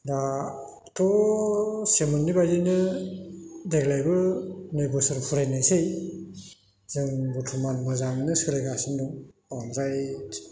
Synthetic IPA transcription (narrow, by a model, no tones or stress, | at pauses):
da | tʰɔ | semɯnːibajzɯnɯ | deklajbɯnejbɯsɯɾpʰuɾajnajsej | zɯŋbɔtʰumanbɯzaŋnɯsɯɾajɡasɯndɔŋ | anɾajt